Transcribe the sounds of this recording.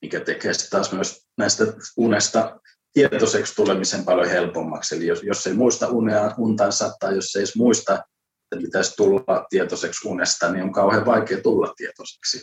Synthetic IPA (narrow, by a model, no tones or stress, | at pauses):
mikæt̪ekeːst̪ɑːsmyøs | næist̪æunest̪ɑ | t̪iet̪osekst̪ulemisempɑljohelpomːɑ̰kselijojosːeimuist̪ɑʔuneɑunt̪ɑnsɑt̪ːˑɑjjosːeismuist̪ɑ | eet̪ːæpit̪æst̪ulːɑt̪iet̪oseksunest̪ɑnioŋkɑuheʋɑikeːt̪ulːɑ̰t̪tiet̪ose̥ksi